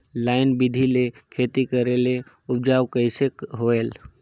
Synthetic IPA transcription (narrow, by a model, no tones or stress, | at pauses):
laːɪnbɪd̪ʱilekʰeːt̪ikəɾele | ʊp̚d͡ʒaːwkəɪsekɦoeːl